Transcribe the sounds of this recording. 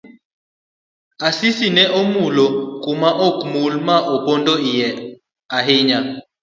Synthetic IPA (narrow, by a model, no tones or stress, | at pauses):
asisinɛʔɔmulɔkumaʔɔkmulmaʔɔpɔndɔijɛ | aɦiɲa